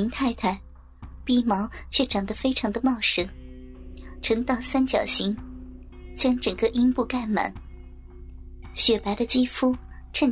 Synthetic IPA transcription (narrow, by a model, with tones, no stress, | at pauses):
ŋt̪ʰa˥˧ɪt̪ʰa˥˩ɪ | pi˥˩mɑ˧˥ʊt͡ɕʰɥɛ˥˩ʈ͡ʂɑ˨˩ŋd̪ə˦fe˥ɪʈ͡ʂʰɑ˧˥ŋd̪ə˧mɑ˥˩ʊʂɤ˧˥ŋ | ʈ͡ʂʰɤ˧˥ŋt̪ɑ˥˩ʊsa˥nt͡ɕjɑ˨˩ʊɕi˧˥ŋ | t͡ɕjɑ˥ŋʈ͡ʂə˨˩ŋkə˥˧ʔi˥npu˥˧ka˥˩nma̰˨˩˦n | ɕɥɛ˨˩pa˧˥ɪɾə˧t͡ɕi˥fu˥ | ʈ͡ʂʰə˥˧n